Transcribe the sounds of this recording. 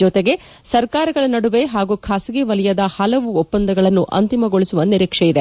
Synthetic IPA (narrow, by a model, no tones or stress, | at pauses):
ɔt̪eɡe̞ | sɐɾkaːɾɐɡɐɭɐnɐɽuʋeɦaːɡukʰaːsiɡeʋɐlijɐd̪ɐhɐlɐʋuɔpːɐnd̪ɐɡɐɭɐnːuʔɐ̰nt̪imɐɡoɭisuʋɐniɾiːkʂejid̪e